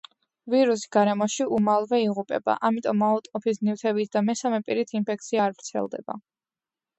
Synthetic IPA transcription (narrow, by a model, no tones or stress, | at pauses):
viɾus̬i̥ɡaɾɛmɔʃiʔumalˠvɛiʁupʼɛ̰ba̰ʔamit̪ʼɔmːaut̪ʼqʼɔpʰisniwt̪ʰɛbit̪ʰd̪amɛsamɛpʼiɾit̪ʰinpʰɛk̚ʰt̪sʰiaːɾvɾt̪sʰɛ̰lˠd̪ɛ̰ba̰